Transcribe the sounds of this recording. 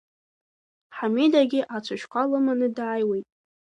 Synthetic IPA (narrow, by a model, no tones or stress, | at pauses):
ħamidaɡʲɪʔat͡sʷʰɨʃqʷʰalɨmanɨdʕajwejtʼ